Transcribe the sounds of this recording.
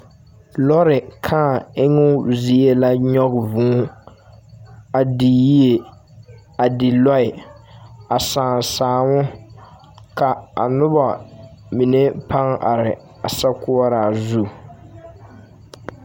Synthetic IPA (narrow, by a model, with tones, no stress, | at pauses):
lɔ˦ɾɪ˨kʰaː˦˨ɪ˦ŋʊ˦zi˦e˦la˦ɲɔ˦ɡvũ˦ | a˨di˨ji˦e˨ | a˨dɪ˨lɔ˦ɪ˨ | a˨saː˨saː˨ŋʊ˦ | ka˨a̰˨nʊ˦ba˨mi˨ne˦pʰa˦ŋʔa̰˨ɾɪ˨ | a˨sa˦ku˦a˦ɾa˨zu˦